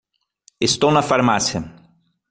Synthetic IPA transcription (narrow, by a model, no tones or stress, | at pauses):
est̪ownɐfaɾmasjɐ